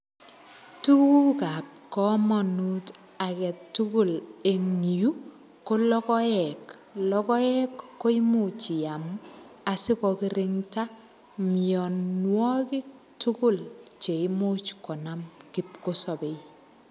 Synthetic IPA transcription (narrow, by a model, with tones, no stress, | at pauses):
tu˦ku˦ka˨p̚kɔ˦mɔ˨nu˦t | a˨kɛ˨tːu˦kʊ˦le˨ŋju˦ | ko˦lɔ˦kɔ˦jɛ˨klɔ˦kɔ˦ɛ˦kːo˦i˦mot͡ʃi˨a˨ma˨sɪ˦kɔkɪ˦ɾɪŋta | mijɔ˨nwɔ˦ki˦ | tu˦kʊ˦lt͡ʃe˨ɪmo˦t͡ʃkɔ˨namki˨p̚ko˦sɔ˨be˨j